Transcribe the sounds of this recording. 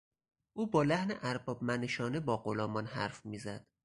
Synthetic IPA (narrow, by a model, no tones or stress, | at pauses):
ʔuːbɒːlæhneʔæɾbɒːbmæneʃɒːnebɒːɢolɒːmɒnhæ̰ɾfmiːzæd̪̥